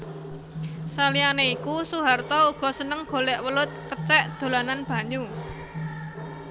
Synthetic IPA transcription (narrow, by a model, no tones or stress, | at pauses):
salianeikusuɦart̪ɔuɡ̥ɔ̤sənəŋɡ̥o̤lɛʔwəlʊt̪̚kət͡ʃɛʔd̪̥o̤lananb̥ä̤ɲu